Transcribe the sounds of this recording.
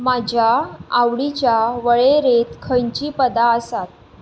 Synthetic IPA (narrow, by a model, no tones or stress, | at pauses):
mad͡ʑʱjaawɭit͡ɕjaʋəɭeɾet̪kʰəɲt͡ɕiːpəd̪aəsat̪̚